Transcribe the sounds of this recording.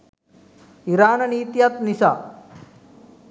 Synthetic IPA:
iɾaːnɐniːt̪jat̪nisa̰ː

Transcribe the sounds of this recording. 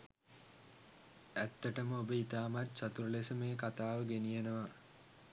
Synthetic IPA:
æt̪ːəʈəməobəit̪aːmat̪sat̪uɾəlesəmeːkat̪aːʋəɡenijenəʋa

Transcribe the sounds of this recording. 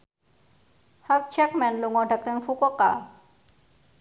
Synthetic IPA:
hak̚t͡ʃɛk̚mɛnluŋɔɖak̚təŋfukɔka

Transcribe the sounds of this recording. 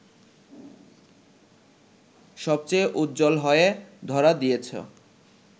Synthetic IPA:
ʃɔb̚t͡ɕejʔud̪̚d͡ʑolɦɔeed̪ʱɔɾad̪ijet͡ɕʰo̰

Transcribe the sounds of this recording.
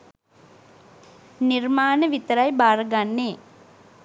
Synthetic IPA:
nirmaːnəʋit̪əɾajbaːɾɡanːeː

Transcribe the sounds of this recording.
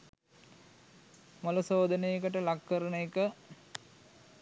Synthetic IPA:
moləsoːd̪ənejekəʈəlakːəɾənəekə

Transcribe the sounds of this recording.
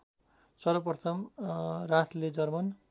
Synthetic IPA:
sʌɾʌpʌt̪ʰʌmrat̪ʰled͡zʌrmʌn

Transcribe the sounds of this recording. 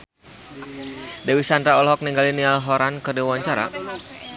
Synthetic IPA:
dawisandɾaɔlɦɔk̚niŋɡalinialɦɔɾankərdiwaɲt͡ʃaɾa̰

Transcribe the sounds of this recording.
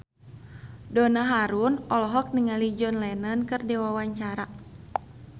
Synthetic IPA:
dɔnaɦaɾunɔlɔɦɔk̚niŋalid͡ʒɔnlɛnənkɨrdɛwawaɲt͡ʃaɾa

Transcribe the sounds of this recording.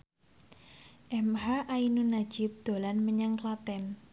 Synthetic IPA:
ʔɛmɦaʔainunḁd͡ʒ̥ɪp̚d̪̥o̤lanməɲaŋklat̪ɛn

